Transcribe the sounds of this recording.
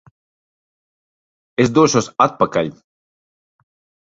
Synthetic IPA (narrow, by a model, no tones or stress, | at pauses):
es̬d̪uɔʃuɔsat̪̚pakalʲ